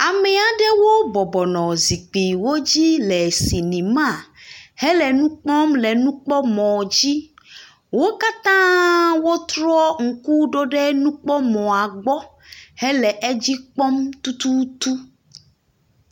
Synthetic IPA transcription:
a˨mɛ˨a˨ɖɛ˦wo˦bɔ˨bɔ˨nɔ̃˨zi˨k͡pi˨wo˦d͡ʑi˦lɛ˨si˨nĩ˨mã˦˨hɛ˦lɛ˨nũ˦k͡pɔ˦mlɛ˨nũ˦k͡pɔ˦mɔ̃˨d͡ʑi˦ | wo˦ka˦t̪ã˦wo˦t̪ɾɔ˦ɔ˦ŋ̩˨ku˦ɖo˦ɖɛ˦nũ˦k͡pɔ˦mɔ̃˨a˨ɡ͡bɔ˦ | hɛ˦lɛ˨ʔe˦d͡ʑi˦k͡pɔ˦mt̪u˦t̪u˦t̪u˦

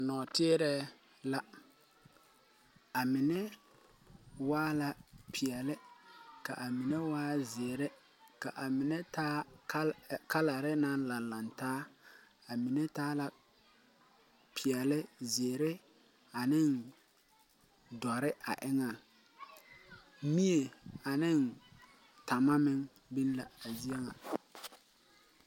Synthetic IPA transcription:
a˨nɔː˨tɪ˦ɾɛ˦ | la˦ | a˨mɪ˨nɛ˦ | waː˦la˨pʰi˨ɛ˨lɪ˦ka̰˨ʔa˨mi˨nɛ˦waː˦zɪ˨ɾɛ˦ | ka˨ʔa˨mɪ˨nɛ˦taː˦ | ka˦la˨ɾɪ˦na˦n˦la˨la˨ntaː˦ | a˨mi˨nɛ˦taː˦la˨ | pʰɪ˨ɛ˨lɪ˦zɪ˨e˨ɾɪ˦ | a˨nɪ˦˨n | dɔ˨ɾɪ˦a̰˨ʔɪ˦ŋa˨˦ | mi˦e˨a˨nɪ˦˨n | ta˨ma˦mɪ˦ŋ | bi˦n˦la̰˨a˨zi˦e˦ŋa˨

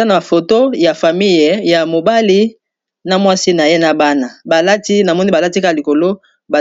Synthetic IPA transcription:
a˦na˨fo˨to˦ja˨fa˨mi˦jja˨mo˨ba˦li˦ | na˨mwa˦si˦na˨je˦na˨ba˦na˨ba˨la˦ti˦na˨mɔ˦ni˦ba˨la˦ti˦ka˦˨li˨ko˨lo˦ | ba˨

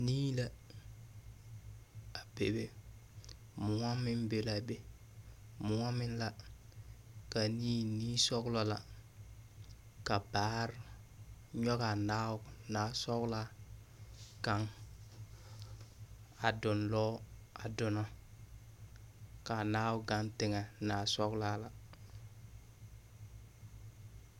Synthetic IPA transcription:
niː˦la˦ | a˨be˨be˦ | mʊ˨ŋa˦mɪ˦nbe˨la˨be˦ | mʊ˨ŋa˦mɪ˦n˦la˨ | ka˨niː˦niː˦sɔ˦ɡlɔ˦la˨ | ka˨baː˦ɾ | ɲɔ˦ɣa˨naː˦˨naː˨˦sɔ˦ɡla˦ | ka˦ŋ | a˨dʊ˨nlɔ˦a˨dʊ˨nɔ˦ | ka˨naː˦wʊ˦ɡa˦ntɪ˨ŋɛ˨naː˨sɔ˦klaː˦la˨

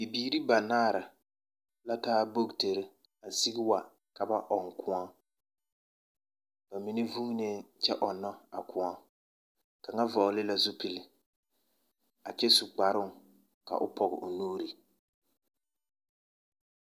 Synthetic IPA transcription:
i˨biː˨ɾi˦ba˨naː˦˨ɾa˨ | la˦taː˦bo˦ɡte˨ɾɪ˦ | a˨si˦ɡɪ˦wa˨ | ka˨ba˦ʔɔ˨ŋkʊ˦a˦ | b̥a˨mi˨nɪ˦vu˦ne˦t͡ʃɛ˦ʔɔ˨nːɔ˦a̰˨kʊ˨a˦ | ka˨ŋa˦vɔ˨lɪ˦la˦zʊ˦pɪ˨lɪ˨ | a˨t͡ʃɛ˦sʊ˨k͡pa˨ɾʊ˦ŋ | ka̰˨ʔʊ˦pʰɔ˨ɣɪ˨ʊ˨nuː˦ɾi˨

